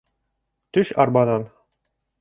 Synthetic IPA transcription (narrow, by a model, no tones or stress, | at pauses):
t̪ɵʃɑ̰ɾbɑnɑn